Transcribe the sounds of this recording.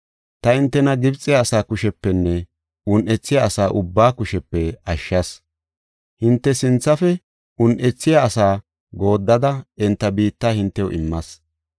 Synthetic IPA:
t̪ɐɪnt̪ːɛnɐɡɪbt͡sʼːɪjaːsaːkʊʃɛpːɛnːɛ | ʊnʔɛt͡sːɪjaɐsaːʔʊbːaːkʊʃɛpːɛɐʃːɐs | hɪnt̪ːɛsɪnt͡sːɐfɛ | ʊnʔɛt͡sːɪjaːsaː | ɡo̞ːd̪ːɐd̪ɐɛnt̪ːɐbiːt̪ːaːhɪnt̪ːɛʊ̰ʔɪmːɐs

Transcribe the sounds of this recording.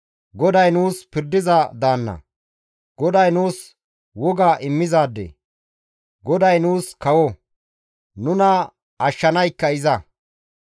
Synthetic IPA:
ɡɔd̪ɐjnuːspɪɾd̪ɪzɐd̪aːnːɐ̰ | ɡɔd̪ɐjnuːs | wɔɡaːʔɪmːɪzaːd̪ːɛ̰ | ɡɔd̪ɐjnuːskɐwɔ | nʊnɐ | ɐʃːɐnɐjkːɐɪzɐ

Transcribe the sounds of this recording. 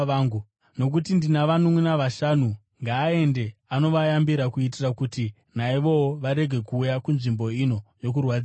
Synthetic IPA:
aŋɡu | no̞k̬utindinaʋanomwunaʋaʃanu | ŋɡaːe̞ndeano̞ʋajambiɾakuit̬irakuti | naiʋo̞woʋaɾe̞ɡʱe̞kuːjakunʐimbo̞ino̞jo̞k̬urwad͡z

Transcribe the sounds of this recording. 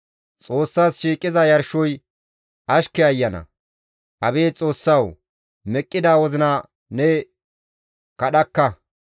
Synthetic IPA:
t͡sʼo̞ːsːaːsʃiːkʼːɪzɐjɐɾʃɔj | ʔɐʃkɛɐjːɐnɐ̰ | ʔɐbeːt͡sʼo̞ːsːɐw | mɛkʼːɪd̪aːwɔzɪnɐ | nɛ | kɐɗɐkːɐ

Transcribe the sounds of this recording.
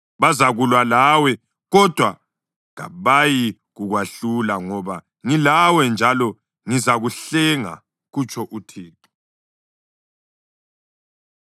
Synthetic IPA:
βazaɣulwalawɛ | ɣɔd̥ʱwa | ɣa̰βaji | ɣuɣwaɬulaŋɔβa | ŋilawɛnd͡ʒʱalɔ | ŋizaɣuɬɛŋa̰ | ɣut͡ʃʰʼɔʔutʰiːǁɔ̥

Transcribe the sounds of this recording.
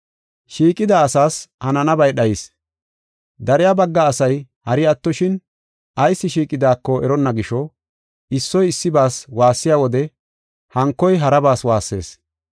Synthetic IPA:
ʃiːkʼɪd̪aːsaːshɐnɐnɐbɐjɗɐjɪs | d̪ɐɾɪjabɐɡːɐːsɐj | hɐɾɪɐt̪ːɔʃɪn | ʔɐjsːɪʃiːkʼɪd̪aːkːɔɛɾɔnːɐɡɪʃɔ | ɪsːɔjɪsːɪbaːswaːsːɪjaːwɔd̪ɛ | hɐŋkːɔjɦɐɾɐbaːswaːsːe̞̰ːs

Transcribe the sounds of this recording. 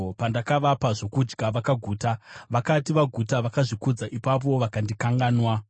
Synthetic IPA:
pandakaʋapaʐo̞kud͡ʒɡaʋakaɡʱuːtaʋakatiʋaɡʱutaʋakaʐikud͡zaʔipap̬o̞ʋakandikaŋɡaːnwa

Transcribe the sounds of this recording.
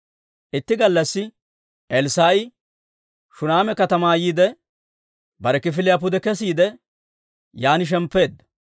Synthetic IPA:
ʔɪt̪ːɪɡɐlːɐsːɪ | ʔɛlsaːɪ | ʃʊnaːmɛkɐt̪ɐmaːjiːd̪ɛ | bɐɾɛkɪfɪlɪjap̬ːʊd̪ɛkɛs̬iːd̪ɛ | jaːnɪʃ̬ɛmpːe̞ːd̪ːɐ̥

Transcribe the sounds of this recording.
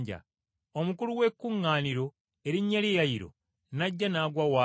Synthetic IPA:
ɟa̰ | omukuluwe̞kːuŋːaːniɾo̞ | e̞ɾiɲːalejaiɾo̞̰ | naɟːanaːɡwawa

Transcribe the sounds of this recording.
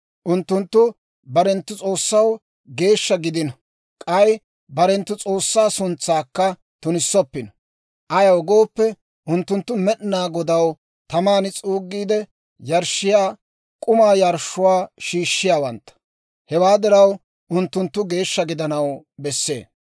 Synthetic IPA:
ʔʊnt̪ːʊnt̪ːʊ | bɐɾɛnt̪ːʊt͡sʼo̞ːsːɐw | ɡe̞ːʃːɐɡɪd̪ɪnɐ | kʼɐj | bɐɾɛnt̪ːʊt͡sʼo̞ːsːaːsʊnt͡sːaːkːɐ | t̪ʊnɪsːɔpːɪnɔ̥ | ʔɐjɐwɔɡoːpːɛ | ʔʊnt̪ːʊnt̪ːʊmɛʔnaːɡɔd̪ɐw | t̪ɐmaːnɪt͡sʼuːɡːiːd̪ɛ | jɐɾʃːɪjaː | kʼʊmaːjɐɾʃʊwaːʃiːʃːɪjaːwɐnt̪ːɐ̥ | hɛwaːd̪ɪɾɐw | ʔʊnt̪ːʊnt̪ːʊɡe̞ːʃːɐɡɪd̪ɐnɐwbɛsːe̞̰ː

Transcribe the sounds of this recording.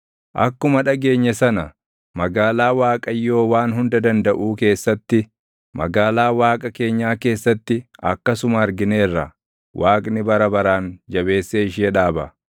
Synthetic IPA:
ʔɐ̰kːʊmɐᶑɐɡe̞ːɲːɛsɐnɐ | mɐɡaːlaːwaːkʼɐjːo̞ːwaːnɦʊnd̪ɐd̪ɐnd̪ɐʔuːke̞ːsːɐt̪ːɪ | mɐ̰ɡaːlaːwaːkʼɐke̞ːɲːaːke̞ːsːɐt̪ːɪɐ̰kːɐsʊmɐːɾɡɪne̞ːrːɐ | wʔaːkʼnɪbɐɾɐbɐɾaːnd͡ʒɐbe̞ːsːeɪʃeːᶑaːbɐ

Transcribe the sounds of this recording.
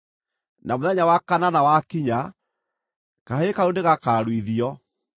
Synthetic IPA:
nʔamoðɛɲawakananawakiɲa | kaɦekaondeɣakaːɾwiðiɔ

